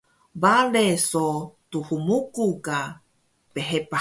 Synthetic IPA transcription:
balesot̪uhumukuka | peɦepa

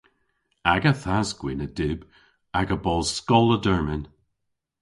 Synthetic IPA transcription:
aɡəθazɡ̥wɪnədɪb | aɡəbɔlˠskɔlˠədəɹmɪn

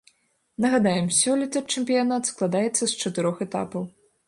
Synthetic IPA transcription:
nɐɣad̪ajɛmsʲɔlʲit̪ɐt͡ʂɛmʲpʲijanat̪sklˠad̪ajɛt̪sːɐst͡ʂɐt̪ɨɾɔxɛt̪a̰pɐw

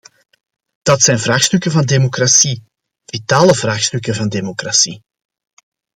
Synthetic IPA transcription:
d̥ɑtsɛjnvraːxstɵkəvɑndeːmokrasi | vitaːləvraːxstɵkəvɑndeːmokrasi

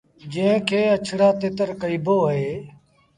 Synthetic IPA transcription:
d͡ʒẽːɪ̃kʰeːət͡ʃʰɽaːt̪eːt̪əɾkəiːboːɦeː

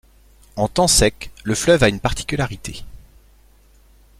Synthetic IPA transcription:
ɑ̃t̪ɑ̃sɛkləflœvaynpaʁt̪ʰi̥kʲylaʁit̪e

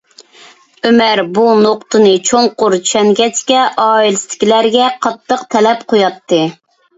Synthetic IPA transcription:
ømæɾbunoqt̪ɨnɨt͡ʃʰoŋqʊɾt͡ʃy̥ʃʰɛŋɡʲɛt͡ʃkʲɛʔɑːilɪst̪ʰɪ̥kʲilæɾɡʲɛqʰɑt̪ːəqt̪ʰɛlɛpqʰojɑt̪ʰːɨ

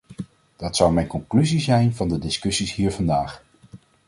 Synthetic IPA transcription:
d̥ɑtsʌwmɛjnkɔŋklyzizɛjnvɑndədɪskɵsisɦiːɹvɑndaːχ

